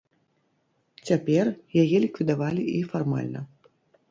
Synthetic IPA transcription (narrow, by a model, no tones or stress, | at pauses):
t͡sʲapʲɛrjajɛlʲikvʲid̪avalʲiʔifarma̰lʲnɐ̰